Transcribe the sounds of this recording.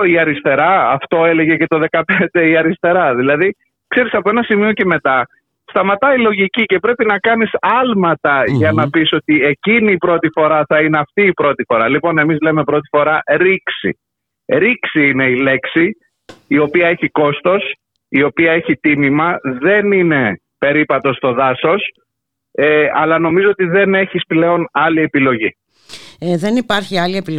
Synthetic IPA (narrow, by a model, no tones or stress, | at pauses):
iɐɾist̪e̞ɾɐɐft̪o̞e̞le̞ʝe̞ce̞t̪o̞ðe̞kɐpend̪e̞iɐɾist̪e̞ɾɐðilɐði | kse̞ɾisɐpoe̞nɐsimio̞ce̞me̞t̪ɐ | st̪ɐmɐt̪ɐilo̞ʝicice̞pɾe̞pinɐkɐnisɐlmɐt̪ɐʝɐnɐpiso̞t̪ie̞ciniːpɾo̞t̪ifo̞ɾɐθɐine̞ɐft̪iːpɾo̞t̪ifo̞ɾɐlipo̞ne̞mizle̞me̞pɾo̞t̪i̥fo̞ɾɐɾiksḭ | ɾiksiine̞ile̞ksiː | o̞piɐe̞çiko̞st̪o̞s | io̞piɐe̞çit̪imimɐðe̞nine̞ | pe̞ɾipɐt̪o̞st̪o̞ðɐso̞s | eɐlɐno̞mizoot̪iðe̞ne̞çisple̞o̞nɐlie̞pilo̞ʝi | ðe̞nipɐɾçiɐliepil